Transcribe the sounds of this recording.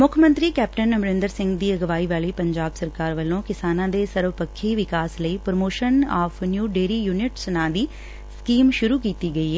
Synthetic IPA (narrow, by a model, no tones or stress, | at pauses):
mʊkʰmə̃nt̪ɾiːkɛːp̚ʈənːəmɾɪ̃nd̪əɾsɪ̃ŋɡd̪iːəɡʋaːiːʋaːliːpəɲd͡ʒaːbsəɾkaːɾʋəlːõːkɪsaːnãːd̪eːsəɾʋɪpəkʰːiːʋɪkaːsləiːpɾəmoːʃənaːfʰnjuːɖeːɾiːjuːnɪʈsənãːd̪iː | skiːmʃʊɾuːkiːt̪iːɡəiːɦɛː